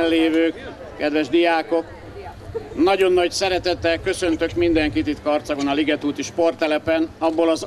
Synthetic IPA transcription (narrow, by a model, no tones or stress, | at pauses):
lleːvøːk | kɛd̪ʋɛʒd̪ijaːko̞k | nɒɟo̞nːɒɟsɛɾɛt̪ɛt̪ːɛkø̞sø̞nt̪ø̞kmind̪ɛŋkit̪it̪kɒːrt̪sɒɡo̞nɒliɡɛt̪uːt̪iʃpo̞rt̪ɛlɛpɛnɒbːolɒz